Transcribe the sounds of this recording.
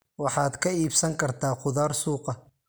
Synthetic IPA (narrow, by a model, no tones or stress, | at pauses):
wɑħɑːd̪kʰɐiːbsɐŋkʰɐrt̪ʰaːqʊðaːrsuːqɑ